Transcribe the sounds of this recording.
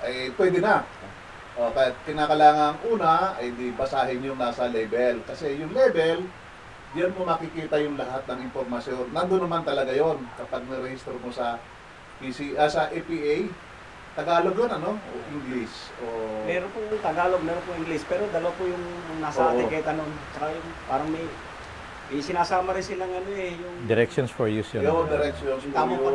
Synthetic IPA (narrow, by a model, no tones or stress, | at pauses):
ʔɐjpwɛd̪ɪnɐ | ʔokɐjakɪnaːkɐlaːŋɐŋʔuːnɐɐjd̪ibɐsaːɦɪɲjoŋnaːsɐlɛbɛlkɐsɛjʊŋlɛbɛl | d͡ʒanmomɐkɪkiːt̪ɐjʊŋlɐhat̪̚nɐŋɪmpo̞ɾmɐsjo̞nːɐnd̪onːɐmant̪ɐlɐɡajo̞nkɐpaɡ̚nɐɾɛhist̪ɾomosɐ | pisiʔɐsɐʔɛpiʔej | t̪ɐɡaːloɡjonɐno̞ʔo̰ʔɪŋɡlɪsʔomɛːɾonpʊʊŋt̪ɐɡaːloɡ̚mɛːɾonpʊŋɪŋɡlɪspɛːɾod̪ɐlwapʊjʊŋnaːsʔɐʔaːɪkɐjk̪ɐnont͡ʃɐkajʊŋpaːɾɐŋmɐj | mɐjsɪnaːsaːmɐɾɪnsɪlaŋɐnoʔɛjʊŋd̪ɛɾɛkʃjonsfojusjood̪ɪɾɛk̚ʃjonsamo